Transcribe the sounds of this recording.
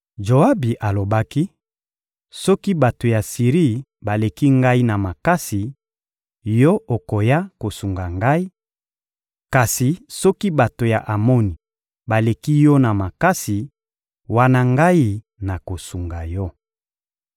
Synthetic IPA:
ʒo˨a˦bi˨ʔa˨lo˨ba˦ki˦ | sɔ˦ki˦ba˨to˨ja˨si˨ʁi˦˨ | ba˨le˨ki˦ŋɡa˦i˦na˨ma˨ka˦si˨ | jɔ˦ʔo˨ko˨ja˦ko˨su˨ŋɡa˨ŋɡa˦i˦ | ka˨si˨sɔ˦ki˦ba˨to˨ja˨ʔa˨mɔ˦ni˨ | ba˨le˨ki˦jɔ˦na˨ma˨ka˦si˨ | wa˦na˦ŋɡa˦i˦ | na˨ko˨su˨ŋɡa˨jɔ˦

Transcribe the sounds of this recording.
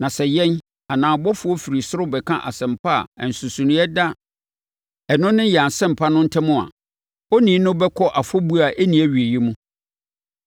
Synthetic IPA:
nã˨sɛ˨jɛ̃˦n | a˨nãː˨bɔ˦fʊ˨ɔ˦fi˨ɾi˨sʊ˦ɾʊ˦bɛ˨kʰã̰˦ʔa̰˨sɛ̃˨mpʰa̰˦˨n̩˨su˨sũ˨nɪ̃˦ɛ˦da˦ | ɛ˨nʊ̃˦nɪ̃˦jɛ˨a˨n˨sɛ̃˦˨m̩˨pʰa˦nʊ̃˦n̩˦tʰɛ˦mʊ̃˦˨a̰˨ | ɔ˦nĩ˨˦nʊ̃˦bɛ˦kʰɔ˦ʔa˨fɔ˦bu˦a˨ʔe˦nĩ˨˦æ˦ɥi˨e˨jɛ˦mũ˦

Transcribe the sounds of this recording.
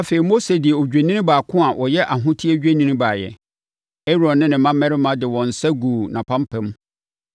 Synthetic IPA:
a˨fe˨ɾi˨mo˦se˨dɪ˨ɛ˨o˨d͡ʑᶣe˨nĩ˦nɪ̃˦baː˨kʰʊ̃˦a˨ʔɔ˨jɛ˦ʔa˨ɦʊ̃˦tʰi˦e˦d͡ʑᶣe˦nĩ˦nĩ˦baː˨jɛ̰˨ | e˦ɾɔ̃˨nːɪ̃˦nɪ̃˨mã˦mɛ̃˦ɾɪ˦mã˨dɪ˨wɔ̃˨n̩˨sɛ˦ɡuː˨nã˨pʰã˦m˦pʰɛ̃˦m

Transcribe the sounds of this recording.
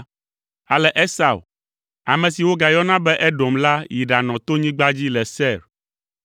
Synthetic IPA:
a˨lɛ˨ʔɛ˦sa˨w | a̰˨mɛ̃˨si˨wo˦ɡa˨jɔ˦nã˦bɛ˦ʔɛ˦ɖo˨mla˦ji˨ɖa˨nɔ̃˨t̪o˦ɲĩ˦ɡ͡ba˦d͡ʑi˦lɛ˨sɛ˦˨ɾ

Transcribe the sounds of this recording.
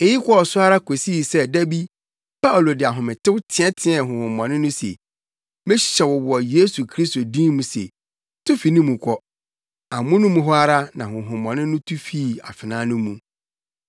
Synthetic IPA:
e˨ji˦kʷʰɔ˦ɔ˨sʊ˦a˦ɾa˦kʰo˨si˦˨sɛ˦dæ˦bi˦ | pʰa˦u˨lo˨dɪ˨a˨ɦʊ̃˨mɪ̃˨tɪ˦wtʰɪ˦ɛ̃˦tʰɪ̃˦ɛ˨ɦʊ̃˨hʊ̃˨mːɔ̃˨nɪ̃˦nʊ̃˦sḛ˨ | mɪ̃˦ɕɕɛ˨wɔ˨wʊ˨ɔ˨je˦su˨kʰɾi˦s̬to˨dĩː˦mũ˨sḛ˨ | tʰʊ˦fi˨nĩ˦mũ˨kʷʰɔ˦ | a˨mʊ̃˦nʊ̃˦mũ˦ɦɔ˦a˦ɾa˦nã˨hʊ̃˨ɦʊ̃˨mːɔ̃˨nɪ̃˦nʊ̃˦tʰu˦fiː˦˨a̰˨fɪ˨nãː˦nʊ̃˦mũ˦

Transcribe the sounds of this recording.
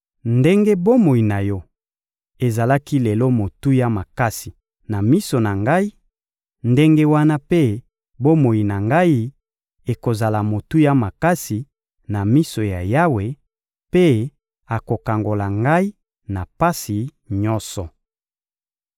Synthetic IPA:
nde˦ŋɡe˦bo˦mo˨i˨na˨jɔ˦ | e˨za˨la˦ki˦le˨lo˦mo˨tu˦ja˦ma˨ka˦si˨ | na˨mi˦so˨na˨ŋɡa˦i˦ | nde˦ŋɡe˦wa˦na˦pe˦ | bo˦mo˨ji˨na˨ŋɡa˦i˦ | e˨ko˨za˨la˨mo˨tu˦ja˦ma˨ka˦si˨ | na˨mi˦so˨ja˨ja˦we˨ | pe˦ | a˨ko˨ka˨ŋɡo˨la˨ŋɡa˦i˦ | na˨pa˦si˨ | ɲɔ˦sɔ˨

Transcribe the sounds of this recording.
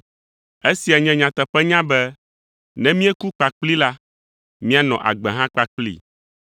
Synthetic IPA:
e˦si˨a˨ɲɛ̃˨˦ɲã˨t̪ɛ˨ɸɛ˦ɲã˦bɛ˦ | nɛ̃˦mĩ˦ɛ˦ku˦k͡pa˨k͡pli˦la˦ | mĩ˦a˦nɔ̰̃˨ʔa̰˨ɡ͡bɛ˨ɦã˦k͡pa˦k͡plḭ˦˨

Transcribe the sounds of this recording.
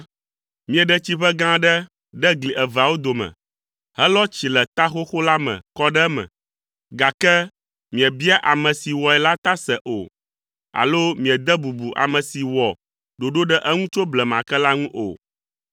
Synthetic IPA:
mĩ˨ɛ˨ɖɛ˦t͡ɕi˦ɸɛ˦ɡã˦ɖɛ˦ | ɖɛ˦ɡli˨ʔɛ˨va˨wo˦d̪o˨mɛ̰̃˨ | ɦɛ˦lɔ˦t͡ɕi˨lɛ˨t̪a˦xo˦xo˦la˦mɛ̰̃˨kɔ˦ɖɛ˦mɛ̰̃˨ | ɡa˨kɛ˦ | mĩ˨ɛ˨bi˦a˦ʔa˨mɛ̃˨si˨wɔ˨ɛ˨la˦t̪a˦sɛ˨ʔo̰˨ | a̰˨lo˦mĩ˨ɛ˨d̪ɛ˦bu˨bu˨ʔa̰˨mɛ̃˨si˨wɔ˨ | ɖo˨ɖo˦ɖɛ˦ʔɛ˦ŋũ˦t͡ʃo˦blɛ˨mã˨kɛ˦la˦ŋũ˦ʔo̰˨

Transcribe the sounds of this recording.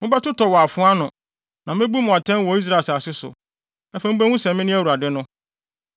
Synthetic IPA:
mɪ̃˦ba˦tʊ˦tʰɔ˨wɔ˨a˨fʊ̃˦a˦nʊ̃˨ | nã˨mɪ̃˦bu˦mʊ̃˨a˨tʰɛ̃˦n˦wɔ˨i˦s̬ɾa˦˨sa˨sɪ˦sʊ̰˨ | ɛ˦fæ˦m˦bæ̃˦w̃ʊ̃˦sɛ̃˨m˦mɪ̃˦nɪ̃˦æ˦wu˨a˨dɪ˦nʊ̃˦

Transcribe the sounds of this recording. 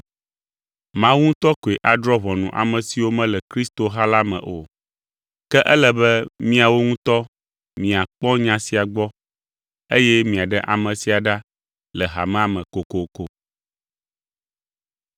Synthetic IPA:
mã˦wu˦ŋũ˦t̪ɔ˦ko˨e˨ʔa˨d̪ɾɔ˦βɔ˨nũ˨ʔa̰˨mɛ̃˨si˨wo˦mɛ̃˦lɛ˨kɾi˦st̪o˨ɦa˦la˦mɛ̰̃˨ʔo˨ | kɛ˦ʔɛ˦lɛ˨bɛ˦mĩ˦a˨wo˦ŋũ˦t̪ɔ˦ | mĩ˨a˨k͡pɔ̃˦ɲã˦si˨a˨ɡ͡bɔ˦ | e˦jɛ˦mĩ˨a˨ɖɛ˦ʔa˨mɛ̃˨si˨a˨ɖa˦ | lɛ˨ɦa̰˨mɛ̃˦a˨mɛ̃˨ko˨ko˨ko˨

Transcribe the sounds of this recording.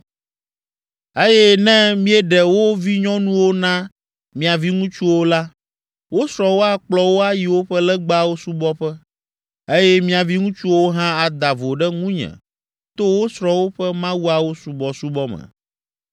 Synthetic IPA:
e˦jɛ˦nɛ̃˦mĩ˦ɛ˦ɖɛ˨wo˦vi˦ɲɔ̃˦nũ˦wo˦nã˦ | mĩ˨a˨vi˦ŋũ˦t͡ʃu˦wo˦la˦ | wo˦sɾɔ̃˨wo˦a˦k͡plɔ˨wo˦a˦ji˨wo˦ɸɛ˦lɛ˦ɡ͡ba˦˨wo˦su˦bɔ˦ɸɛ˦ | e˦jɛ˦mĩ˦a˨vi˦ŋũ˦t͡ʃu˦wo˦ɦã˦a˨d̪a˨vo˨ɖɛ˦ŋũ˦ɲɛ̰̃˨ | t̪o˦wo˦sɾɔ̃˨wo˦ɸɛ˦mã˦wu˦a˨wo˦su˨bɔ˨su˦bɔ˦mɛ̰̃˨

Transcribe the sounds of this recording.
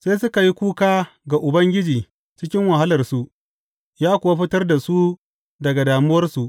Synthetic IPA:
se˦sʊ˦ka˨ji˦kʷuː˦kaː˦ɡa˨ʔʊ˨bɐ˦ŋɡʲɪ˦d͡ʒiː˨ | t͡ʃɪ˦kʲɪ˦ŋwɐ˨ɦa˦lɐ˨rsu˨ʔ | jaː˦kʷʊ˨wa˦ɸɪ˦tɐ˦rda˨su˦ | dɐ˨ɡa˨daː˨mʊ˦wɐ˦rsu˨ʔ

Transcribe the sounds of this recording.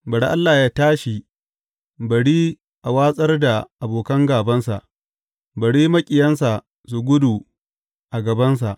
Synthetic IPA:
bɐ˨ɽa˦ʔa˦lːaː˨jaː˦taː˦ʃi˨ | bɐ˨ɽiː˦ | ʔa˨waː˦sʼɐ˦rda˨ʔa˨boː˨kɐ˦ŋɡaː˨bɐ˦nsa̰˨ʔ | bɐ˨ɽiː˦mɐ˦kʲʼɪ˨jɐ˦ns̬a˨ | s̬u˨ɡʷʊ˦du˨ | ʔa˨ɡɐ˨bɐ˦ns̬a˨ʔ

